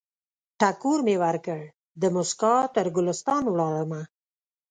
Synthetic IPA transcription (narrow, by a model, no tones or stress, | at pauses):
ʈakuɾmewaɾkəɽ | d̪əmʊskɑt̪əɾɡʊlɪst̪ɑnwɽɑɭəma